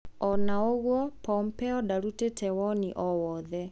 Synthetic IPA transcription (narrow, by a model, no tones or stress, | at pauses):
ɔnaoɣwɔpɔmpɛɔɗaɾutetʰɛwɔnḭʔɔwɔðɛ